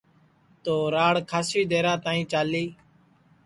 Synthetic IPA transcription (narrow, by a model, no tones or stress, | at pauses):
t̪oːɾaːɽkʰaːsiːd̪eːɾãːt̪aːĩːt͡ʃaːliː